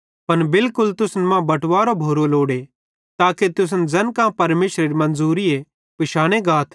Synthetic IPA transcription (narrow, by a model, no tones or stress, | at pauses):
pɐnbɪlkʊlt̪ʊsnmãbɐʈʋaːɾobʱoːɾoloːɽe | t̪aːket̪ʊs̬nd͡zɐnkãpɐɾmeːʃɾeɾimɐ̃nd͡zuːɾie | pɪʃaːɽ̃eɡaːt̪ʰ